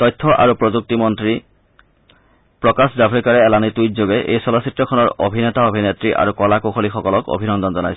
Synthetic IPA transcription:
tɔjtʰːɔʔa̰ɹupɹozuk̚timɔntɹi | pɹɔkaszabʱikaɹɛɛlanitujtzoɡɛʔḛjsɔlɔsitɹɔkʰɔnɔɹo̰bʱinɛtaobʱinetɹiʔa̰ɹukɔlakoxʰolixɔkɔlɔko̰bʱinɔnd̪ɔnzɔnajsɛ̥

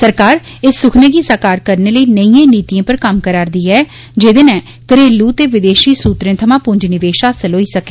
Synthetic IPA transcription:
səɾkaːɾ | ɪsːʊkʰnẽːɡiːsaːkaːɾkəɾneːləiːnəĩːẽːniːt̪ijãːpəɾkəmkəɾaːɾd̪iːɛː | d͡ʒeːd̪eːnɛ̃ː | kəɾeːlːuːt̪eːʋɪd̪eːʃiːsuːt̪ɾẽːt̪ʰəmãːpʊɲd͡ʒnɪʋeːʃaːsəloːiːsəkeː

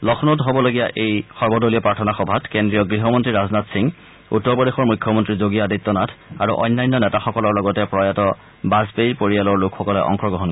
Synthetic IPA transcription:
lɔxʰnotɦobɔloɡijaʔejxɔɹbɔdoliɔpɹaɹtʰɔnaxɔbʱatkendɹijɔɡɹiɦɔmɔntɹiɹaznatsiŋ | ṵtːɔɹbɔdexɔɹmujkʰːɔmɔntɹizoɡijaditːɔnatʰaɹṵʔɔ̰jnːajnːɔnɛtaxɔkɔlɔɹlɔɡɔtɛpɹɔjatɔ | bazpejpoɹialɔɹlʊkʰxɔkɔlɛʔɔ̰ŋxɔɡɹɔɦɔn

